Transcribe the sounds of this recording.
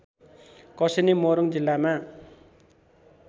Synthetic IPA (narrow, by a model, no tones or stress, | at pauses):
kʌsenimoɾuŋd͡zilːama